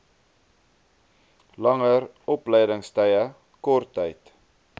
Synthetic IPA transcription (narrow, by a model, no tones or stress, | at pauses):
lɐŋər | ɔpləjdəŋstəjə | kɔrtʰːəjt